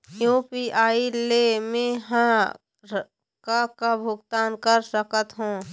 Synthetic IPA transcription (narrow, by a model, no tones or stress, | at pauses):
jupiaːilemẽɦã | ɾ | kakabʱʊɡt̪aːnkəɾsəkət̪ɦũː